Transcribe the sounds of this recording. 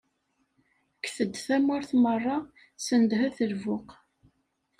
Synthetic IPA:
kθəd̪θæmʊɾθmərˤːɑ | sənd̪ɦæθəlvʊq

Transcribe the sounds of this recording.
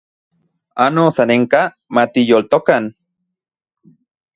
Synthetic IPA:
anosaneŋka | mat̪ijolt̪okan

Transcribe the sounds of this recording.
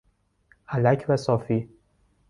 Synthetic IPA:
ʔælæcʰvæsɒːfiː

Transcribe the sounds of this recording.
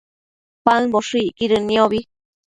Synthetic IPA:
paŋboʂɨiʔkiɾɨnĩoβi

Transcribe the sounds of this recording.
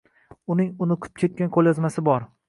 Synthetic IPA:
ʊnɪŋʊnʊqʰʊ̥p̚kʲʰe̞t̪̚kʲanqʰolˠjɒzmasɪbɒɾ

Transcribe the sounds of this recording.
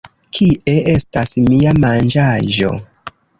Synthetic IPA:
kʰiʔe̞e̞stasmiamand͡ʒaʒo̞̰

